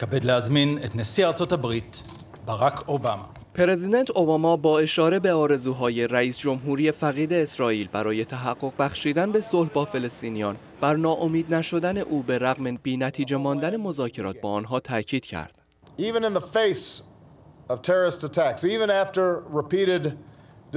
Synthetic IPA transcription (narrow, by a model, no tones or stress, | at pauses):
kabed̪leazminet̪nesiaʁt͡sot̪abʁit̪ | baʁakʰobama̰ | pʰeɾe̞zid̪ent̪ʰo̞bɒːmɒbɒːe̞ʃɒːɾe̞be̞ɒːɾe̞zuːɦɒːje̞ɾæiːsd͡ʒo̞mɦuːɾije̞fæɣiːd̪e̞ːsɾɒːiːlbæɾɒːje̞t̪ʰæɦæɡːo̞ʁ̚bæxʃiːd̪ænbe̞so̞lhbɒːfe̞le̞st̪iːnijɒːn | b̥æɾnɒːʔo̞miːd̪næʃo̞d̪æne̞ʔuːbe̞ɾæɣmeb̥iːnæt̪ʰiːd͡ʒe̞mɒːnd̪æne̞mo̞zɒːcʰe̞ɾɒ̰ːt̪̚ʰbɒːnɦɒːt̪ʰæcʰiːd̪̥cʰæ̰ɾd̪̥ | ivɨ̃nɨ̃nðəfeɪs | ʌv̥tʰɛɹə˞ɨstətʰæksivɨ̃næftə˞ɹɪpʰiɾɪd